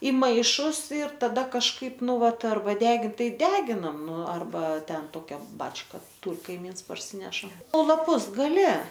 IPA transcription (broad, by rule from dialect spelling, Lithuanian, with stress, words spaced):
ɪ ˈmɐɪʃʊs ɪr tɐˈdɐ kɐʃˈkɐɪp ˈnʊ ˈʋɐt ɐrˈbɐ ˈdʲæːɡʲɪnt ˈtɐɪ ˈdʲæːɡʲɪnɐm ˈnʊ ɐrˈbɐ ˈtʲɛn ˈtoːkʲɛ ˈbɑːt͡ʃkɐ ˈtuːr kɐɪˈmʲiːns pɐrʲˈsʲiːnʲɛʃɐ oː lˠɐˈpʊs ɡɐˈlʲɪ